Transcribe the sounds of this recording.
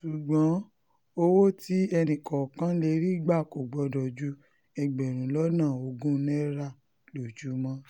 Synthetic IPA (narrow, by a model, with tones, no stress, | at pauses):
ʃu˨ɡ͡bɔ̃˨˦ | o˧wo˦ti˦ɛ˧nĩ˨kɔ˨kã˦le˧˦ɾi˦ɡ͡ba˦˨ko˨ɡ͡bɔ˨˧dɔ˨d͡ʒu˨˦ | ɛ˧ɡ͡bɛ˨ɾ̃ũ˨lɔ˦nãː˦˨o˧ɡũ˦nɛ˦ɾa˦˨ | lo˨d͡ʒu˨˦mɔ̃˦